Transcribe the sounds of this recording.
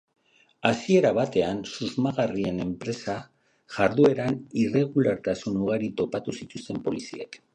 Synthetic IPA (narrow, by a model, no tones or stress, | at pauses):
asie̞ɾaβat̪e̞ansuzmaɣarie̞ne̞mpɾe̞sa | ʝaɾðue̞ɾanire̞ɣ̞ulaɾt̪asunuɣaɾit̪o̞pat̪usit̪ust̪e̞mpo̞lisia̰k